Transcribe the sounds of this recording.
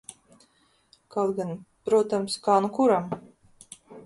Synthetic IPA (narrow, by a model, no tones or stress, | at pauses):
kalˠɡanpɾuɔt̪amskaːnukuɾam